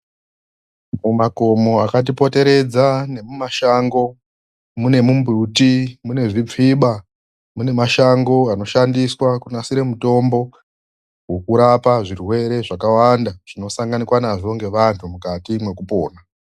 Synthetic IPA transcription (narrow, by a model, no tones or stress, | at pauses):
mumako̞mo̞akat̬ipo̞te̞ɾe̞d͡zane̞mumaʃaŋɡo̞ | mune̞mumbrutimune̞ʐip͡fiɓa | mune̞maʃaŋɡo̞ano̞ʃandiswakunasiɾe̞muto̞mbo̞ | wo̞kuɾapaʐirwe̞ɾe̞ʐakawandaʐ̥ino̞saŋɡanikwanaʐo̞ŋɡe̞ʋantʰumukatimwe̞kupo̞̰ːna